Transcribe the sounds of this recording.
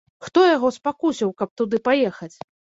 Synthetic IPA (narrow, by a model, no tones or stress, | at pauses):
xt̪ɔjaɣɔspakusʲiwkɐp̚t̪ud̪ɨpajɛxɐt͡sʲ